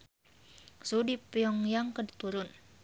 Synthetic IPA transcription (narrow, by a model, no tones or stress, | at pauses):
sudipjɔŋjaŋkədit̪uɾʊn